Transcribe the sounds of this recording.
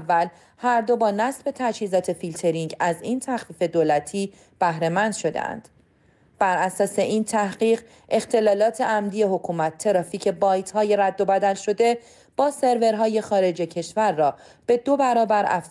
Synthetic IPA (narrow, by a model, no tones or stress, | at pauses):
vːæl | hæɾd̪o̞bɒːnæsbe̞t̪ʰæt͡ʃhiːzɒːt̪ʰe̞filt̪ʰe̞ɾiŋɟæziːnt̪ʰæxfiːfe̞d̪oːlæt̪ʰiː | b̥æhɾe̞mænd̪ʃo̞d̪ḛʔæ̰nd̪̥ | b̥æɾæsɒːse̞ʔiːnt̪ʰæhɢiːʁ | e̞xt̪ʰe̞lɒːlɒːt̪ʰe̞ʔæmd̪ije̞ɦo̞kʰuːmæt̪ʰːe̞ɾɒːfiːcʰe̞bɒːjt̪ʰhɒːje̞ɾæd̪ːo̞bæd̪ælʃo̞d̪e̞ | b̥ɒːse̞ɾve̞ɾɦɒːje̞xɒːɾe̞d͡ʒe̞cʰe̞ʃvæɾːɒː | b̥e̞d̪o̞bæɾɒːbæɾæ̰f